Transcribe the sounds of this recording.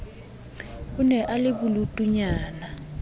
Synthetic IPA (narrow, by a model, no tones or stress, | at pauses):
unɛʔalɪbulutʼuɲaːna